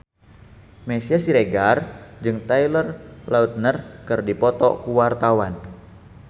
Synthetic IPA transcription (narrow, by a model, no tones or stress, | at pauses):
mesiasiɾeɡard͡ʒɨŋt̪ailərlaut̪̚nərkɨrdipɔt̪ɔ̰kuwart̪awan